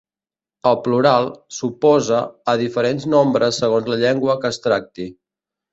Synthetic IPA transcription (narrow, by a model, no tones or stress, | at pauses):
əlˠpluɾalˠsupɔzəːðifəɾenznombɾəsːəɣ̞onzləʎɛŋɡwəkəːst̪ɾak̚t̪i